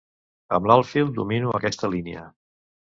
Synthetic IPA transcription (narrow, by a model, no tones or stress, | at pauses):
ə̰mlalˠfilˠd̪ṵminuəkɛst̪əlineə